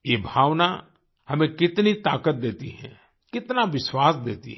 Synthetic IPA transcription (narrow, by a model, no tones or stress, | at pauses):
jeːbʱaːʋna | hɐmẽkɪt̪nit̪aːkət̪̚d̪eːt̪iɦɛ̰̃ː | kɪt̪naʋɪswaːsd̪eːt̪ḭɦ